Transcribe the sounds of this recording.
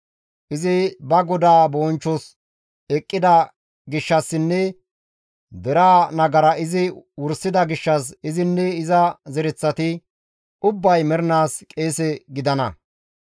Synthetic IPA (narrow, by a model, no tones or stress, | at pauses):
ʔɪzɪbɐɡɔd̪aːboːnt͡ʃːɔs | ɛkʼːɪd̪ɐ | ɡɪʃːɐsːɪnːɛ | d̪ɛɾaːnɐɡɐɾɐɪzɪwʊɾsɪd̪ɐɡɪʃːɐsɪzɪnːɛɪzɐzɛɾɛt͡sːɐt̪ɪ | ʊbːɐjmɛɾnaːskʼe̞ːsɛɡɪd̪ɐnɐ̰